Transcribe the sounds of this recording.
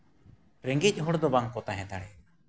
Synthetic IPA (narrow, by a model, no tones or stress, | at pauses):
ɾeŋɡic̚ˀɦuɽd̪ɔbaŋkɔt̪aɦɛ̃d̪aɽɛ